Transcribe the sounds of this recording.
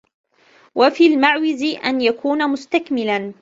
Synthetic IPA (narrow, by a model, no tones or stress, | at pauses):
wafiːlmaʕwɪzɪʔanjakuːnamʊst̪akmɪlan